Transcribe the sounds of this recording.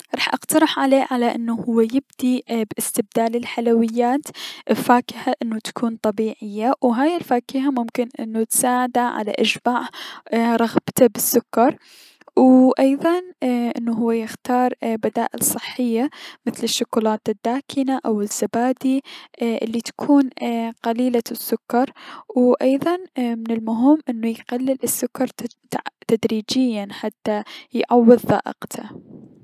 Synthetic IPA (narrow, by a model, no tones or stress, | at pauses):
ɾˤɑːħʔɑqt̪ɑɾˤɑħʕaleːʕalaʔɪnːuhʊwːajɪbd̪ibʔɪst̪ɪb̚d̪aːlɪlħalawɪjːaːt̪faːkɪhaʔɪnːʊt̪ḁkʰuːnt̪ˤɑbiːʕɪjːawɦaːjɪlfaːkɪhamʊmkɪnʔɪ̰nːʊt̪saːʕɪd̪aʕa̰la̰ʔad͡ʒbaːʕɾˤɑɣbt̪abɪsːʊkːɑɾˤ | wʔɑjðˤɑnʔɪnːʊɦʊwːajɪxt̪ɑːɾˤbad̪aːʔɪlsˤɨħːɪjːamɪθlɪʃːʊkʊlaːt̪ɪd̪ːaːkʰɪnaʔawɪz̥ːabaːd̪iʔʔɪ̰lːit̪ḁkʰuːnqaliːlasːʊkːɑɾˤwʔɑjðˤɑnmɪnɪlmʊɦɪmːʔɪnːujqalːɪlʔɪsːʊkːɑɾˤ | t̪ad̪ɾiːd͡ʒɪjːanħat̪ːajʕawːɪððɑ̰ːʔɪ̰qt̪ʰa